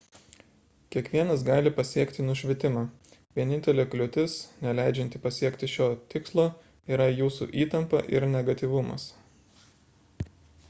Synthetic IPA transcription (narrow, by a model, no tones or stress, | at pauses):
kʲiɛkʋʲiɛnɐs̬ɡɑːlʲɪpɐsʲiɛkt̪ʲɪnʊʃʲʋʲɪt̪ʲɪmɑː | ʋʲiɛnʲɪnʲt̪ʲɛlʲeːklʲʊt̪ʲɪsnʲɛlʲæˑɪd͡ʒʲɛnʲt̪ʲɪpɐsʲiɛkt̪ʲɪʃʲoːt̪ʲɪkslˠoː | iːɾɐjuːsṵːʔiːt̪ɐmpɐ̰ʔɪ̰ɾnʲɛɡɐt̪ʲiːʋʊmɐ̰s